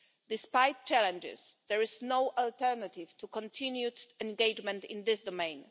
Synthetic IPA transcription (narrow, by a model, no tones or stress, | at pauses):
d̪ɪspajt̚t͡ʃalɛ̃nd͡ʒɪ̰sd̪ɛɹɪznowʔalt̪ɛɾnat̪ɪvt̪ukɔ̃nt̪ʰĩnjutɛ̃nɡejd͡ʒmɛ̃nt̪ɪ̰̃nd̪ɪsd̪ɔmẽj̃n